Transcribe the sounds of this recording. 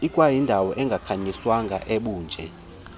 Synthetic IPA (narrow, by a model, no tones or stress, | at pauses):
ikʼwajindʱawɔʔɛŋɡʱakʰaɲiswaŋɡʱaʔeɓuːnd͡ʒʱɛ